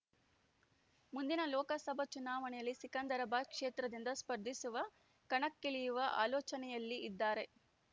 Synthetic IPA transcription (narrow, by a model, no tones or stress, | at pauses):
mund̪inɐlɔːkɐsɐbʱɐt͡ʃunaːʋɐɳɛjɐlːisikɐnd̪ɐɾɐbaːkʂeːt̪ɾɐd̪ind̪ɐspɐɾd̪ʱisuʋɐ | kɐɳɐkːeɭijuʋɐʔa̰ːlɔːt͡ʃɐnɛjɐlːiid̪ːaːɾe̞